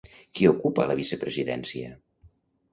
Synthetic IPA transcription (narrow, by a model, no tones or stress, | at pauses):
kiokupələβisəpɾəziðɛ̰nsiə